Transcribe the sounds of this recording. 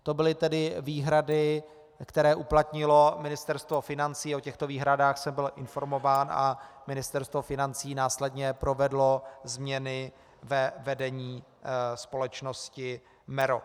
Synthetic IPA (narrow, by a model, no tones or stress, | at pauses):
t̪o̞bɪlɪt̪ɛdɪviːɦɾadɪ | kt̪ɛɾɛːʔuplat̪ɲɪlo̞mɪnɪst̪ɛɾst̪vo̞fɪnant͡siːo̞cɛxt̪o̞viːɦɾadaːxsɛmbɪlʔɪnfo̞ɾmo̞vaːnʔa̰mɪnɪst̪ɛɾst̪vo̞fɪnant͡siːnaːslɛdɲɛpɾo̞vɛdlo̞zmɲɛnɪ | vɛvɛdɛɲiː | spo̞lɛt͡ʃno̞scɪ | mɛɾo̰